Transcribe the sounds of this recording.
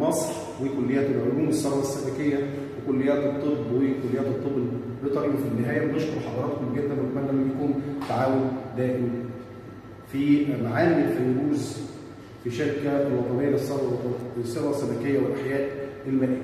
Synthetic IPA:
mɑsˤɾ | wekolːejːæːt̪lʕoluːmesːɑɾwɑsːæbækejːæ | wekolːejːæːt̪ɨt̪ˤːɨbwekolːejæːt̪ɨt̪ˤːɨbl | bet̪ˤɑɾiːbfinːɪɦæːjæwneʃkoɾħɑd̪ˤɑɾˤɑːt̪homɡed̪ːæbɪlkænlːæmænjækuːmt̪aʕaːwʊnd̪æːʔɪm | fimaʕaːlːɪfæjɾuːz | fiʃeɾkælwɑt̪ˤɑnejːæesːɑɑwsˤːɑɾˤwɑsːæbækejːæwelʔaħjæːʔelmælʔiː

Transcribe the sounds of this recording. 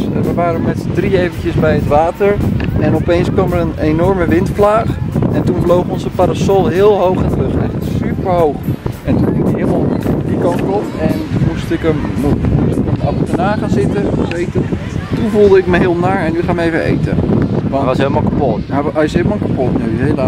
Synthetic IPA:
sʋəʋaːɾəmɛtədriejvəntjəsbɛjətʋaːtəɹɛnɔpejnskʋɑmʋərənenɔɹməʋɪntplaːχɛntunvlowχəɔnzəpaɾasɔlˠɦɪːlˠɦowχɛntrøχɛχtsypəɹɦowχ | ɛntuniɦɪmalˠdikɑnkɔtɛnmustɪkəmmusɪkəmɑfətənaːχaːnzɪtəəsejtən | tunvulˠdəɪkməɦɪːlˠnaːɹɛnyχaːməejvəḛjtə̰ʋɑasɦeləmalˠkapɔtaaɪsɦeləmalˠkapɔtnyɦel

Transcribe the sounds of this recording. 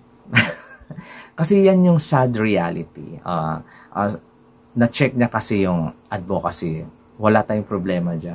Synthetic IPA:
kɐsɛjanjʊŋsad̪ɾɪalɪt̪ḭʔa̰ | ʔa̰ | nɐt͡ʃɛk̚ɲɐkɐsɛjʊŋʔɐd̪̚bokɐsɛ | wɐlat̪aːjʊŋpɾoblɛːmɐd͡ʒan

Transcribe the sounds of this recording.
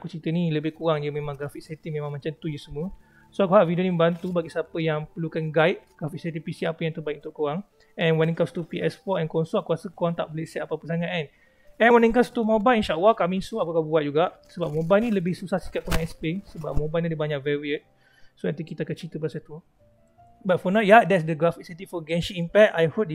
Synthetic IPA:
akut͡ʃit̪əniləbɪhkuɾaŋd͡ʒəmẽmãŋɡɾafiksɛt̪imẽmãŋmat͡ʃant̪ud͡ʒusəmũə | soakuɦaʔvidionimə̃mbant̪ubaɡisapəjaŋpərlukanɡaɪʔ̪̚ɡ̥ɾafiʔsɛt̪ipisiapəjaŋt̪əbaik̚unt̪ʊʔkuaŋ | ɛnwanĩŋkast̪upiʔɛspɔtɛnkɔaŋsuaʔ̚kuasəkuɾaŋt̪a̰ʔboleʔsɛt̪apapəsaŋaʔan | ɛ̃nwanĩŋkast̪umobalinʃaʔalahkamĩsuapəkabuat̪̚d͡ʒuɡaʔsəbap̚mõbalnĩləbɪhsusasi̥kat̪̚koɾãŋɛspesəbap̚mõbalnĩdibaɲãʔ̚vɛwiət̪̚ | soɛt̪ikit̪akat͡ʃit̪əbəasat̪u | bat̪̚fɔnaʔjadɛtsdəɡɾafiksət̪ifɔɡɛnʃiimpɛk̚t̪ajhop̚

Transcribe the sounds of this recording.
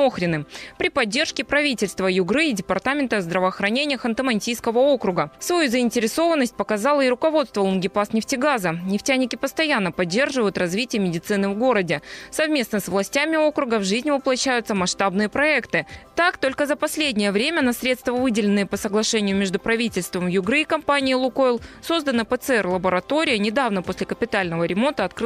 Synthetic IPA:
oxɾʲɪnɨpɾʲɪpɐdʲːe̞rʂkʲɪpɾɐvʲitʲɪlʲst̪vəjʊɡɾɨːdʲɪpɐrt̪amʲɪnt̪əɐzd̪ɾəvəːxɾɐnʲenʲɪjəxɐnt̪əmɐnʲtʲijskəvəokɾʊɡəsvɐjuzəɪnʲtʲɪɾʲɪso̞vənːəsʲt̚ʲpəkɐzɑlˠəiɾʊkɐvo̞t̪st̪vəlˠənɡʲɪpasnʲɪftʲɪɡazənʲɪftʲænʲːɪkʲɪpəst̪ɐjanːəpɐdʲːe̞rʐɨvəjʊt̪rɐzvʲitʲɪjəmʲɪdʲɪt̪sɨnɨvɡo̞ɾədʲɪsɐvmʲe̞snəsvlˠɐsʲtʲæmʲɪo̞kɾʊɡəvʐɨzʲnʲvəplˠɐɕːæjʊt̪səmɐʂt̪abnɨjəpɾɐɛkt̪ɨt̪akt̪o̞lʲkəzəpɐsʲlʲedʲnʲɪjəvɾʲemʲənɐsʲɾʲe̞t̪st̪vəvɨdʲɪlʲɪnːɨjəpəsəɡlˠɐʂɛnʲɪjʊmʲɪʐd̪ʊpɾɐvʲitʲɪlʲst̪vəmjʊɡɾɨkɐmpanʲɪːlˠʊkoɪlˠso̞zd̪ənəpət̪sɨɛrlˠəbəɾɐt̪o̞ɾʲɪjənʲɪd̪avnəpo̞sʲlʲɪkəpʲɪt̪alʲnəvəɾʲɪmo̞nt̪əɐt̪kɾɨ

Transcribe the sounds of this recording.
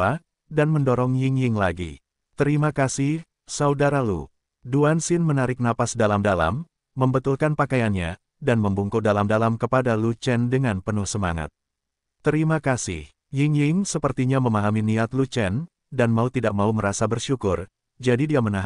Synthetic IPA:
a | danməndɔɾɔŋjɪŋjɪŋlaɡḭ | t̪əɾimakasɪh | saudaɾalṵ | duansɪnmənaɾɪk̚napasdalamdala̰mː | əmbət̪ulkanpakajanɲa̰ | danməmbuŋkudalamdalamkəpadalut͡ʃɛndəŋanpənʊhsəma̰ŋa̰t̪̚ | tːəɾimakasɪ̰h | jɪŋjɪŋsəpərt̪iɲaməmaɦaminiat̪lut͡ʃɛn | danmaut̪idak̚mauməɾasabərʃukʊr | d͡ʒadidiamənaɦ

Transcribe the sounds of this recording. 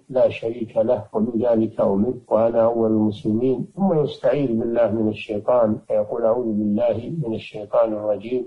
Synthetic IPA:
laːʃaɾiːkʰalahwabɪðaːlɪkʰaʔʊmɪnwaʔanaʔawːalalmʊslɪmiːnθʊmːajʊst̪aʕiːd̪bɪlːaːhmɪnaʃːajt̪ˤɑːnfajɑquːlʔaʕuːðbɪlːaːhmɪnaʃːejt̪ˤɑːnɑrˤːɑd͡ʒiːm

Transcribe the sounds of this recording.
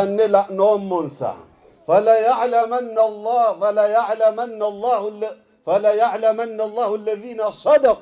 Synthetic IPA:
anːɪlaʔnoːmːʊnsa̰ | falajaʕlamanːalˤːɑfalajaʕlamanːalˤːɑːhl | falajaʕlamanːalˤːɑːhalːaðiːnasˤɑd̪ɑq

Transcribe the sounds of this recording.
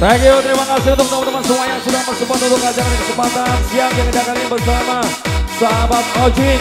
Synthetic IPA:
raɡiot̪əɾimakasɪunt̪ʊk̚t̪amat̪əmansəmuajaŋsudat̪ərsəbuat̪mibukəad͡ʒaɾanakəsəpat̪ansiaŋd͡ʒaŋkədakalibərsamasaɦabat̪̚kɔd͡ʒi

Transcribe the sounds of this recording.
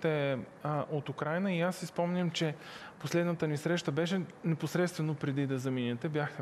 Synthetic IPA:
t̪ɛ | ʔot̪ukɾajnəiasːispɔmnʲəmt͡ʃɛposlɛd̪nət̪ənisɾɛʃt̪əbɛʃɛnɛposɾɛt̪st̪vɛnopɾɛd̪id̪ɐzɐminʲɛt̪ɛbʲjaxt̪ɛ

